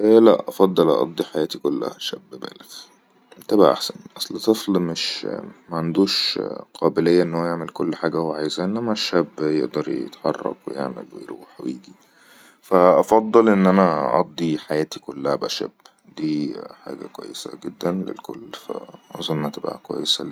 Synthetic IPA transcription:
ʔlæʔʔɑfɑd̪ˤːɑlʔɑ̰ʔɑ̰d̪ˤːiħajæːt̪ikolːæ̰hæʃæbːbæ̰ːlet̪ | t̪æbaʕʔa̰ħsænʔɑsˤlt̪ˤeflmeʃmæʕand̪uːʃqʰɑːbelejːæʔenːhowæjeʕmelkolːħaːɡæhowʕaːjezæʔenːæmæʃːæbːjeʔd̪ɑɾˤjḛt̪ħɑ̰rˤːɑ̰kwḛjḛʕmḛlwḛjɾuːħwḛjiːɡi | fæʔɑfɑd̪ˤːɑlʔenːʔænæʔɑ̰d̪ˤːiħajæːt̪ikolːæhæbæʃæ̰b | d̪iːħa̰ːɡæ̰kwæ̰jːesæ̰ɡed̪ːænlḛlkolːfæ̰ɑnzˤomʔhæt̪eba̰kwæ̰jːesæ

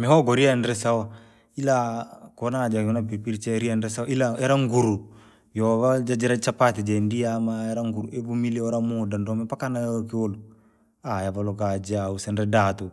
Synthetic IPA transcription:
mɛɦɔɡɔɾianɾɛsawɔ | ilakɔnad͡ʒakɔnap̬ipiɾt͡ʃɛɾianɾɛsaɔʔilaɛɾaŋɡuɾu | jɔβad͡ʒad͡ʒiɾat͡ʃapatid͡ʒɛndijamaɛɾaŋɡuɾuʔebumiliɔɾamudandɔmɛpakanajɔkiolu | ajavalɔkad͡ʒausɛnɾɛdaːtu

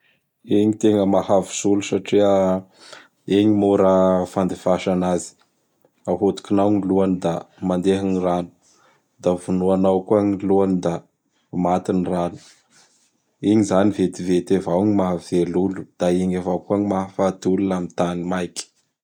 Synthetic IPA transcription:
iɲit̪eŋəmahavi̥zulusaʈ͡ʂiə | eɲimuɾəfand̪efaʃanazi̥ | aɦot̪u̥kinawŋiluanid̪amand̪eɦiniranu̥ | d̪avunuanawkuaɲiluanid̪a | mat̪inranu̥ | iɲizanivet̪ivet̪evawɲimaɦavelulu̥d̪̥aiɲevawkuaɲimaɦafat̪ulunamit̪animajkʲi̥

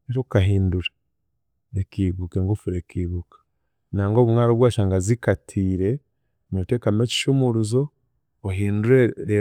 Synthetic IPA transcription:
eɾokaɦiːnduɾa | ekiβukeŋɡofuɾekiːβukḁ | naːŋɡoːβumŋaːɾoβwaːʃaːŋɡazikatʰiːɾe̞ | noteːkameci̥ʃumuɾuzo | oɦiːnduɾeɾe

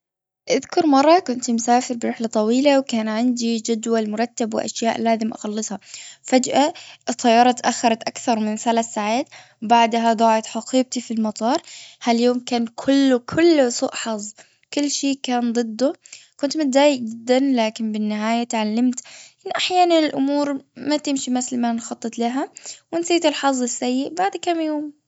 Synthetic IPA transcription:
ʔaðkʊɾˤmɑrˤːɑkʊnt̪msaːfɪɾbɪɾɪħlat̪ˤɑwiːlawkaːnʕɪnd̪id͡ʒad̪walmʊɾˤɑt̪ːabwɪ̰ʔa̰ʃjaːʔlaːzɪmʔa̰xɑlːɨsˤhɑfad͡ʒʔat̪ʰˤːɑjːɑːɾˤɑt̪aʔaxːɑɾˤɑt̪ʔakθɑɾˤmɪnθalaːθːaʕaːt̪ | baʕd̪ɦad̪ˤɑːʕɪt̪ħaqiːb̚t̪ifilmɑt̪ˤɑːɾˤhaljoːmkaːnkʰʊlːʊkʰʊlːsṵːʔħɑzˤː | kʊlːʃeːkaːnd̪ˤɨd̪ːʊkʊnt̪mʊt̪̚d̪aːjɪk̚d͡ʒɪd̪ːanlaːkɪnbɪnːɪɦaːjat̪ʕalːamt̪ʔɪnːʔaħjaːnanɪlʔʊmuːɾmat̪ɪmʃimɪθlmanxɑt̪ˤːɨt̪ˤlaɦawɪnsiːt̪ɪlħɑzˤːɪsːajːɪʔbaʕd̪kamjoːm

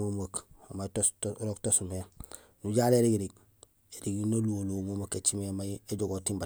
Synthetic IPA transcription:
omakmatoɾoktosume | nuɟaːleɾiɡɾiɡ | eɾiɡinaluolomomaket͡ʃimemajeɟoɡotimba

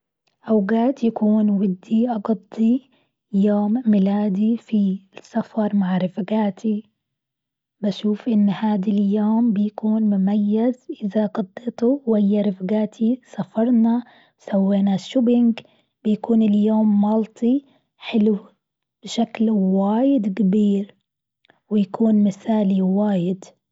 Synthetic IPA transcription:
ʔawɡaːt̪jakuːnwɪd̪ːiʔɑɡɑd̪ˤːi | joːmːɪlaːd̪ifisːafɑɾˤmaʕɾɪfɡaːt̪ʰi | baʃuːfʔɪnːhaːd̪aljoːmbɪjakuːnmʊmajːazʔɪðaɡɑd̪ˤːeːt̪uwɪhɪjːaɾɪfɡaːt̪ʰisafɑɾˤnɑ | wsawːeːnaʃːʊbɪŋɡ | b̥ɪjakuːnɪljoːmːɑlt̪ˤʰi | ħɪlu | b̥ɪʃaklwaːjɪd̪kabiːɾ | wɪjakuːnmɪθaːliwaːjɪd̪

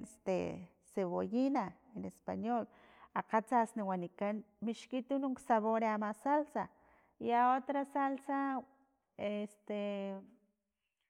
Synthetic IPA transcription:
est̪ḛ | seβojina | enespa̰ɲol | aqat͡sasniwanikanmiʃkit̪unuŋksaβoɾeamasalsa | jaot̪ɾasalsa | est̪e

